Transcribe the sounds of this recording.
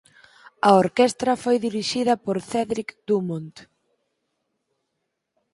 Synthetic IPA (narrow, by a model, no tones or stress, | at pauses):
ɐoɾkɛst̪ɾɐfojðiɾiʃiðɐpoɾθɛðɾikd̪̥umont̪